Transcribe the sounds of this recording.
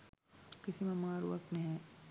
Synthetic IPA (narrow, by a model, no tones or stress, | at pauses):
kɪsimẽmaːɾʋɐk̚t̪mẽɦɛ̃